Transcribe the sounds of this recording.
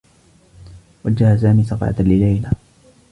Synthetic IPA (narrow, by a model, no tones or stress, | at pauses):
wad͡ʒːahas̬aːmiːsɑqɑ̰ʕa̰t̪lɪlajla